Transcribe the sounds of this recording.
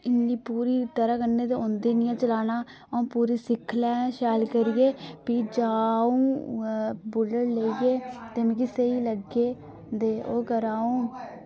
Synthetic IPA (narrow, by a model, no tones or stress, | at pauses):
ɪnːiːpuːɾiːt̪əɾaːkənːeːt̪eːõnd̪eːnɪjãːt͡ʃəlaːnaː | aũːpuːɾiːsɪkʰːlɛ̃ːʃɛːlkəɾijeːpiːd͡ʒaːũː | bʊləɾleːijeːt̪eːmĩːkɪseːiːləɡeː | d̪eːoːkəɾaːũː